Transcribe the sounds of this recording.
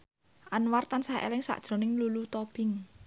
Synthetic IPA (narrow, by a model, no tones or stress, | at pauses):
ʔanwart̪ansaḛlɪŋsa̰ʔd̥ʒ̥ɾo̤nɪŋlulut̪ɔb̥ɪ̤ŋ